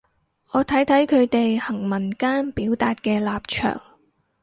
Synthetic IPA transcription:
ʔɔː˨˧t̪ʰɐ˨˥jt̪ʰɐ˨˥jkʰɵ˨˧ɥt̪e˨jhɐ˨˩ŋmɐ˨˩nkaː˥npiː˨˥wt̪aː˨t̚kɛː˧laː˨p̚t͡ʃʰœ̰ː˨˩ŋ

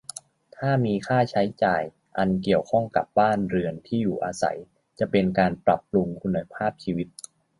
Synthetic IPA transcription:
t̪ʰaː˥˩miː˧kʰaː˥˩t͡ɕʰa˦˥jt͡ɕaː˨˩j | ʔa˧nki˨˩əwkʰɔ˥˩ŋka̰˨˩p̚baː˥˩nɾɯ˧ənt̪ʰiː˥˩juː˨˩ʔaː˧sa̰˩˦j | t͡ɕa˨˩pe˧nkaː˧npɾa˨˩p̚lu˧ŋkʰu˧nːa˧pʰaː˥˩p̚t͡ɕʰiː˧wi˦˥t̪̚

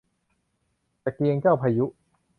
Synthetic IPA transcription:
t͡ɕa˨˩ki˧əŋt͡ɕaː˥˩wpʰaː˧ju˦˥ʔ

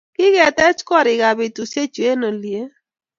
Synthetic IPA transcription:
kɪ˦kɛ˨tɛ˦t͡ʃkɔ˦ɾɪ˨ɡa˨bɪ˨tu˨se˦t͡ʃu˨e˦no˨lje˨˦

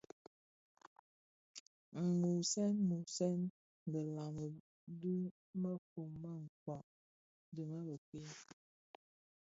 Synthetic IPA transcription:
ŋ̩˨mu˨sɛ˦nmu˨sɛ˦n˨ | ɡə˨la˨mə˨ | du˦ | mə˦fo˨mːa˦ŋ̩˨kwɔ˨ʔ | di˨mə˦bə˨ki˦

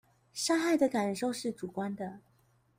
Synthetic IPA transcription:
ʂa˥xa˥˩ɪd̪ə˩ka˨˩nʂo˥˧ʊʂɻ̩˥˩ʈ͡ʂu˨˩kwa˥nd̪ə˨

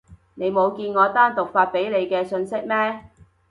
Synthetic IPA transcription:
ne˨˧jmo˨˧wkiː˧nŋɔː˨˧t̪aː˥nt̪ʊ˨k̚faː˧t̚pe˨˥jle˨˧jkɛː˧sɵ˧nsɪ˥k̚mɛː˥

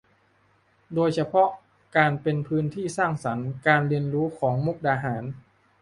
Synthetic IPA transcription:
doː˧jt͡ɕʰa˧pʰɔ˦˥ʔ | kaː˧npe˧npʰɯː˦˥nt̪ʰiː˥˩saː˥˩ŋsa˩˦nkaː˧nɾi˧ənɾuː˦˥kʰɔː˩˦ŋmu˥˩k̚daː˧ɦaː˩˦n

